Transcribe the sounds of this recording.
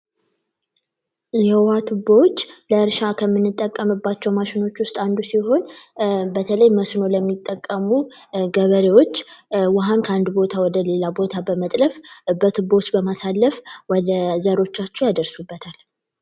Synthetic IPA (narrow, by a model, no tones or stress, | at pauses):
jɛwat̪ʰubowot͡ʃːləɨɾʃakʰəmːɨnːɨt̪ʼːəkʼːəmɨbːat͡ʃːɛwmaʃɪno̞t͡ʃːwʊst̪ʼand̪usiɦo̞nbət̪ʰələjməsno̞ləmːit̪ʼːəkʼːəmu | ɡəβəɾewo̞t͡ʃːwaɦankʰəand̪bo̞t̪ʰawɔd̪əle̞labo̞t̪ʰabəmət̪ʼləfbət̪ʰɨbːot͡ʃːbəmasalːəfwɔd̪əzəɾo̞t͡ʃːat͡ʃːɛwjad̪əɾsubːət̪ʰal